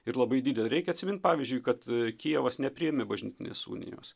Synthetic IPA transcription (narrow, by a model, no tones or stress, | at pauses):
ɪɾlˠɐbɐɪdʲiːd̪ʲɛlʲɾʲɛɪkʲɛɐt̪ʲsʲɪmʲɪnt̪̚pɑːʋʲizʲd͡ʒʲʊɪkɐt̪kʲiɛʋɐsnʲɛpʲɾʲɪɛmʲɪbɐʒʲnʲɪt̪ʲɪnʲḛːsṵːnʲɪ̰jo̰ːs